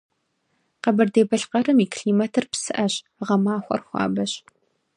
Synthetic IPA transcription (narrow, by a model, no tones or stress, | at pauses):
qɐbɐrdeːbɐɬqɐrɨmiːkʰɬiːmɐtʰɨrpsɨʔɐɕ | ʁɐmaːxʷɔ̰rxʷɑ̰ːbɐɕ